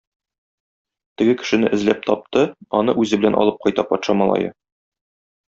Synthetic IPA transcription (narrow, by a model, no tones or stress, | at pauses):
t̪ɘ̆ɡɘkɘ̥̆ʃɘ̆nɘʔɘ̆zlæp̚t̪ʰɒp̚t̪ɤɒnɤʔʉzɘbɘ̆lænɒ̰lˠɤp̚qɒjt̪ɑpɒt̪ʃɑmɑlˠɑ̰jɤ̰